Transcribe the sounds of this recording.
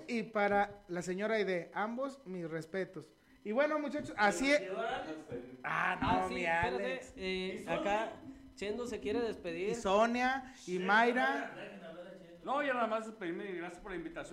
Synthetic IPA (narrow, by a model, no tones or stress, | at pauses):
ipaɾalaseɲo̞ɾajðeambo̞smisrespe̞t̪os | iβwe̞nomut͡ʃat͡ʃosasi | a̰nomialeeaka | t͡ʃend̪osekjeɾeðespeðiiɾsonja | imajɾa | noʝanaðamazd̪espeðiɾmeɡɾasjaspoɾlaimbit̪asjo